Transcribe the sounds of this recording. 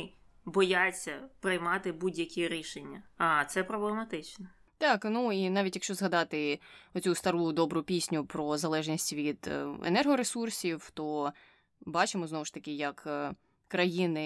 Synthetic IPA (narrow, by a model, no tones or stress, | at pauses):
bɔjat͡sʲːɐpɾɪjmɑt̪ɪbudʲjɐkʲiɾʲiʃenʲːɐɐt̪sɛpɾɔblˠemɐt̪ɪt͡ʃnɛ | t̪ɑknuinɑʋʲitʲjɐkʃt͡ʃɔzɦɐd̪ɑt̪ɪɔt͡sʲust̪ɐɾud̪ɔbɾʊpʲisʲnʲʊpɾɔzɐlˠɛʒnʲisʲtʲʋʲid̪̥ḛnɛrɦɔɾesursʲiwt̪ɔ | bɑt͡ʃɪmɔznɔʋʊʃt̪ɐkʲɪjɐk | kɾɐjinɪ